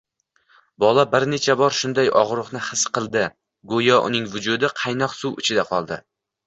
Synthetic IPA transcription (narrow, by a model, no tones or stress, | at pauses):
bɒlˠabɪɾne̞t͡ʃʰabɒɾʃʊnd̪ajɒʁɾʊχnɪhɨsqɨlˠd̪ɪ | ɡojɒʔʊ̰nɪŋvʊd͡ʒʊd̪ɪqʰɑjnɒqsuwʊ̰t͡ʃʰɪd̪aqʰɒlˠd̪ɪ